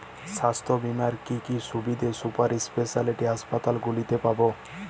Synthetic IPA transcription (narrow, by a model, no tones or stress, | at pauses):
ʃast̪ʰobimaɾkikiʃubid̪esupaɾispeʃaliʈiɦaspat̪alɡulit̪epabo